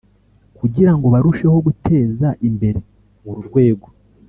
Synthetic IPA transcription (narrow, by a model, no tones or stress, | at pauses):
kuɟiɾaŋɡo̞βaɾuʃe̞ho̞ɡute̞ːzaʔimbe̞ɾe̞ | muɾuɾɡwe̞ːɡo̞